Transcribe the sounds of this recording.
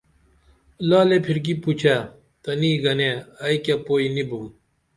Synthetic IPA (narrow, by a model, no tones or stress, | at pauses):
laːlepʰiɾk̬iput͡ɕʰaː | t̪ɐniːɡɐneːɐikapoːinibʱũː